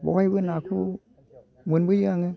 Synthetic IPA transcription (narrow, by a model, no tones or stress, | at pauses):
bɔ̰habɯnakʰu | munbɯɯaŋɯ